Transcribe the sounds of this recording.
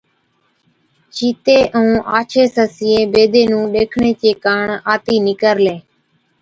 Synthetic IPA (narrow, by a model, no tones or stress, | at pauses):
t͡ʃiːt̪eːʔəũːʔaːt͡ʃʰeːsəsɪːẽːbeːd̪eːnũːɗeːkʰɳeːt͡ʃeːkaːɳaːt̪iːnɪkəɾleː